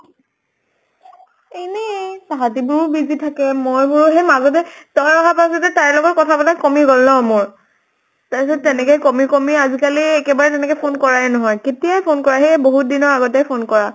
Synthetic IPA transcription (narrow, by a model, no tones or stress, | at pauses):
enɛsaɦatibʊɹubizitʰakɛmojbʊɹuɦɛmazɔt̬ɛtɔjɔɦapasɔtɛtaɹlɔɡɔtkɔtʰapatakɔmiɡolnɔmoɹ | tasɔtːɛnɛkɔjkɔmikɔmiazikaliɛkɛbaɹɛtɛnɛkɛpʰonkɔɹaɛnɔɦɔjketijajpʰonkɔɹaɦeboɦut̚dinɔɹaɡɔtɛpʰonkɔɹa